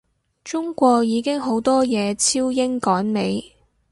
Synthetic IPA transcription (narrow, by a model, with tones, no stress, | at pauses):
t͡ʃʊ˥ŋkʷɔː˧k̚jiː˨˧kɪ˥ŋɦo˨˥wt̪ɔː˥jɛː˨˧t͡sʰiː˥wjɪ˥ŋkɔː˨˥nme˨˥j